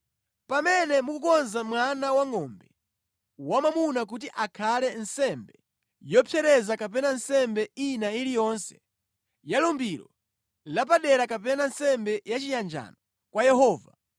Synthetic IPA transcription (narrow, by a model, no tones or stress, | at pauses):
pamɛnɛmukukɔnzamwanawaŋɔmbɛ | wamamunak̬ut̬iʔakʰalɛnsɛmbɛ | jɔpʰjɛɾɛzakap̬ɛnansɛmbɛinailijɔnsɛ̥ | jalɔmbiɾɔ̰ | lap̬aɗɛɾakapɛnansɛmbɛjat͡ʃijand͡ʒa̰nɔ | kwajɛɦɔːva